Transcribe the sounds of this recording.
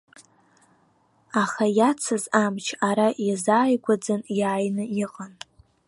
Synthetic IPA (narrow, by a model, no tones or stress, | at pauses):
aχajat͡sʰɨzamt͡ʃʰaɾajizaːjɡʷad͡zɨnjaːjnɨiqʼan